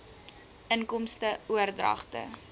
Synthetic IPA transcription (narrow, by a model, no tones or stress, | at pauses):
ʔənkɔmstəuərdrɐ̰χtə̰